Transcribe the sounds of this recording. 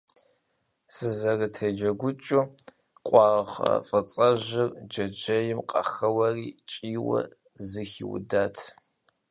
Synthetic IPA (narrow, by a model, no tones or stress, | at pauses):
sɨzɐrɨtʰɐd͡ʒɐɡʷʊt͡ʃʼu | qʷʼɑːʁɐ̰fʼɐt͡sʼɐʒɪrd͡ʒɐd͡ʒɐjɪmqʼɑxɐwɐriːt͡ʃʼiːwɐ̰ | zɨxḭwʊ̰daːtʰ